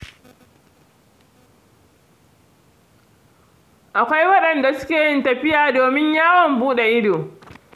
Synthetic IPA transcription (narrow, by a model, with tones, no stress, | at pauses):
ʔa˨kʷa˦jwɐ˦ɗɐ˨nda˨sʊ̥˦kʲeː˨jɪ˦ntɐ˨ɸɪ˦jaː˨doː˨mɪ˦ɲjaː˦wɔ˨mbuː˦ɗɛ˨ʔɪ˦doː˨